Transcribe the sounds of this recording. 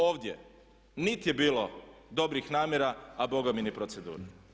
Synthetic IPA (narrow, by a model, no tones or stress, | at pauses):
oːʋd̪ʲje̞̰ | nit̪je̞biːlo̞d̪o̞bɾixnaːmʲjeɾaabo̞ɡaminipɾot̪se̞d̪ṵːɾa